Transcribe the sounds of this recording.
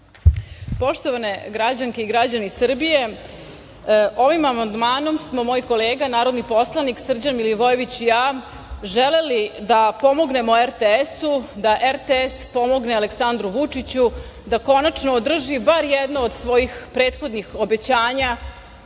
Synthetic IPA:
po̞ʂt̪o̞ʋane̞ɡɾad͡ʑaŋke̞iɡɾad͡ʑanisr̩bije̞ | o̞ʋimamand̪maːno̞msmo̞moːjko̞leːɡanaːɾod̪nipo̞slˠaniksr̩d͡ʑanmiliʋojeʋit͡ɕijaː | ʒele̞lid̪apo̞mo̞ɡne̞moeɾt̪eesud̪aʔeɾt̪eespo̞mo̞ɡneale̞ksand̪ɾuʋut͡ʂit͡ɕu | d̪akonat͡ʂnoːd̪r̩ʒibaɾjɛd̪nood̪sʋo̞jixpɾeːt̪xo̞d̪nixo̞be̞t͡ɕaːɲa

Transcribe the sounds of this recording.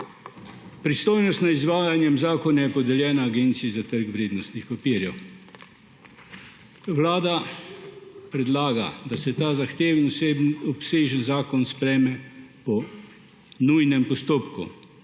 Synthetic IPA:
pɾist̪oːjnɔst̪naizʋaːjanjɛmzaːkɔnajɛpɔd̪ɛljɛːnaːɡeːnt̪siizat̪əɾkʋɾeːd̪nɔst̪nixpapiːɾjɛw | ʋlaːd̪a | pɾɛd̪laːɡa̰d̪asɛt̪aːzaxt̪eːwinɔpseːʒənzaːkɔnspɾɛːmɛpɔ | nujnɛmpɔst̪oːpkṵ

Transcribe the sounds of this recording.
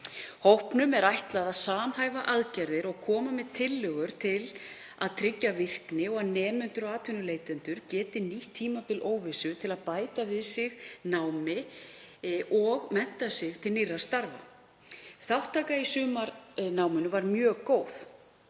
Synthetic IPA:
howhpnʏmɛɾajht̪laðaðsaːmhaːjvaʔaðcaɾðɪɾɔɣkʰɔːmamɛðt̪ʰɪlːœɣʏɾ̥t̪ʰɪl | aðt̪ʰɾɪcːavɪr̥knɪɔɣaðnɛːnʏnt̪ʏɾɔɣaːt̪ʰʏnʏleːjt̪ɛnt̪ʏɾcɛːt̪ɪniht̪ʰiːmapɪlʔoːwvɪsʏt̪ʰɪlaðpaːjt̪avɪðsɪɣnawmɪ | ʔɔɣmɛn̥t̪asɪɣt̪ʰɪlnɪrːast̪aɾva̰ | θawht̪ʰːaːkaisʏːmaɾnawmʏnʏvaɾmjœːkoːwθ

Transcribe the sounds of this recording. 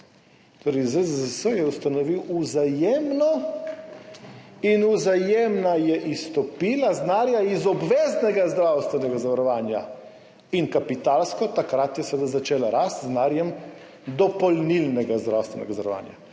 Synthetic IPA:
t̪oːɾɛjzezəsəjɛust̪anɔʋiwuzajeːmnɔ | inuzajeːmnajɛʔist̪ɔpiːlaznaːɾjaizɔbʋeːznɛɡazd̪ɾawst̪ʋɛnɛɡazaʋaɾɔʋaːnja̰ | inkapit̪alskɔt̪akɾat̪jɛsʋed̪azat͡ʃeːlaɾast̪znaːɾjɛm | d̪ɔpɔlnilnɛɡazd̪ɾawst̪ʋɛnɛ̰ɡazaaɾɔʋa̰ːnja̰

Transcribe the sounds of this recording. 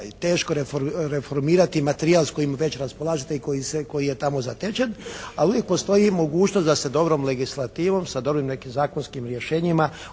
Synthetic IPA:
t̪e̞ːʃkoɾefoɾefo̞ɾmiːɾat̪imat̪eɾiaːlˠsko̞jimʋe̞t͡ɕɾaspolˠaːʒet̪eikoiseko̞jije̞t̪amo̞zat̪et͡ʃenaluʋje̞k̚po̞st̪o̞jimo̞ɡuːt͡ʃnost̪d̪ased̪o̞bɾomle̞ɡislˠat̪iːʋo̞msad̪o̞bɾimne̞kimzaːkonskimɾjeʃeːɲima

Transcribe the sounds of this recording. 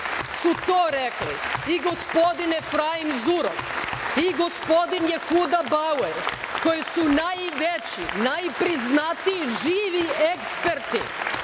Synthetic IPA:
sut̪oːɾeklḭiɡospo̞d̪inɛfɾaimzuɾofiɡospod̪injexud̪abaweɾkojisunajʋet͡ɕinajpɾiznat̪iiʒiːʋiekspeɾt̪ḭ

